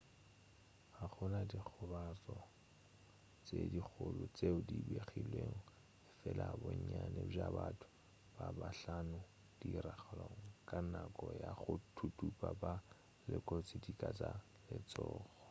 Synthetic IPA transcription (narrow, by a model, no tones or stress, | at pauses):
aχʊnadik͡xʰʊbat͡sɔ | t͡sedik͡xʰʊlʊt͡seʊdibeχilweŋ̩ | ɪfɛlʔaboɲ̩ɲanɛb͡ʐabatʰʊ̥ | b̥abaɬanʊ | d̥iraχaloŋ̩kʼanakʼɔjaχʊtʰutʰʼupʼaba | lɪkʼɔt͡sidikʼat͡sa | lɪt͡sʼɔːɣɔ